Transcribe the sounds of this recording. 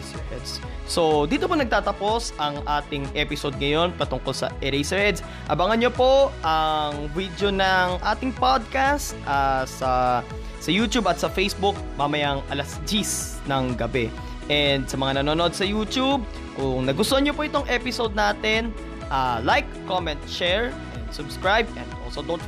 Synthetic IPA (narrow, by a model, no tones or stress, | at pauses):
ɛd̪s | so̞d̪iːt̪oponɐɡ̚t̪aːt̪ɐpo̞sʔɐŋʔaːt̪ɪŋʔɛpɪsod̪̚ŋɐjo̞npɐt̪ʊŋkolsɐ̰ʔɛɾɛjsɐɹɛd̪s | ʔɐ̰bɐŋɐnɲopo̞ʔɐŋvid̪jonɐŋʔaːt̪ɪŋpod̪̚kast̪̚ʔasɐ | sɐjuːt̪ubɐt̪̚sɐfejsbʊk̚mamɐjaŋʔɐlɐsd͡ʒis | nɐŋɡɐbɛ | ʔɛnd̪sɐmɐŋanɐnoːnod̪̚sɐjuːt̪ub̚ | kʊŋnɐɡʊst̪oɲopoʔɪt̪o̞ŋʔɛpɪsod̪̚naːt̪ɛn | ʔalajkːomɛ̃nt̪̚t͡ʃɛɹʔɛnd̪sʊbskɹajb̚ɛ̃nd̪ʔolsod̪on